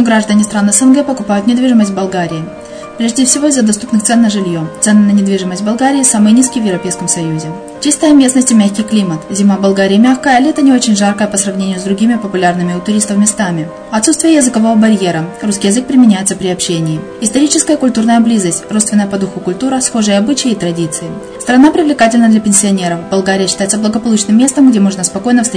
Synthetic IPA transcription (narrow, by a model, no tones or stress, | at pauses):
ʊɡɾaʐd̪ənʲɪst̪ɾanəsɛnɡɛpəkʊpajʊt̪nʲɪd̪vʲiʐɨməsʲt̪ʲvbɐlˠɡaɾʲɪɪ | pɾʲeʐdʲɪfsʲɪvo̞ɪzːəd̪ɐst̪upnɨxt̪sɛnːəʐɨlʲjo̞t̪sɛnɨnənʲɪd̪vʲiʐɨməsʲtʲbɐlˠɡaɾʲɪːsamɨjnʲiskʲɪjvʲjɪvɾɐpʲejskəmsɐjuzʲɪ | t͡ɕist̪əjəmʲe̞snəsʲtʲɪmʲæxʲkʲɪjklʲimət̪zʲɪmabɐlˠɡaɾʲɪjəmʲaxkəjəalʲɪɛt̪ənʲɪo̞t͡ɕɪnʲʐarkəjəpəsɾɐvnʲenʲɪjʊzd̪ɾʊɡʲimʲɪpəpʊlʲarnɨmʲɪʊt̪ʊɾʲist̪əfmʲɪst̪amʲɪ | ɐt̪sut̪st̪vʲɪjəjɪzɨkɐvo̞vəbɐɾʲje̞ɾəruskʲɪjɪzɨk̚pɾʲɪmʲɪnʲæjɪt̪səpɾʲɪɐpɕːenʲɪː | ɪst̪ɐɾʲit͡ɕɪskəjəkʊlʲt̪urnəjəblʲizəsʲtʲrot̪st̪vʲɪnːəjəpɐd̪uxʊkʊlʲt̪uɾəsxo̞ʐɨjəɐbɨt͡ɕɪjəɪt̪ɾɐdʲit̪sɨɪ | st̪ɾɐnapɾʲɪvlʲɪkatʲɪlʲnəd̪lʲɐpʲɪnʲsʲɪɐnʲe̞ɾəfbɐlˠɡaɾʲɪjəɕːɪ̥t̪ajɪt̪səblˠəɡəpɐlˠut͡ɕnɨmːʲe̞st̪əmɡdʲe̞mo̞ʐnəspɐko̞jnəfst̪ʲ